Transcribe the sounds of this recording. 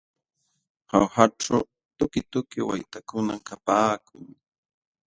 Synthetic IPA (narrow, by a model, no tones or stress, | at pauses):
hawhaʈ͡ʂa | t̪ʊkɪt̪ʊkɪwa̰jt̪akʊnamkapaːkʰʊŋ